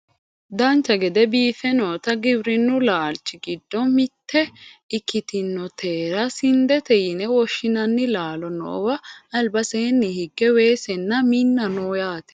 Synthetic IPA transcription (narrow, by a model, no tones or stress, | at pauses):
d̪ɐnt͡ʃːɐɡɛd̪ɛbiːfɛnoːt̪ɐɡɪbɾɪnːʊlaːlt͡ʃːɪɡɪd̪ːɔmɪt̪ːɛɪkːɪt̪ɪnːɔt̪ʰeːɾɐsɪnd̪ɛt̪ɛjɪnɛwɔʃːɪnɐnːɪlaːlɔnɔ̰ʔːwɐɐlbɐseːnːihɪɡːɛweːsɛnːɐminːɐnoːjaːt̪ɛ̥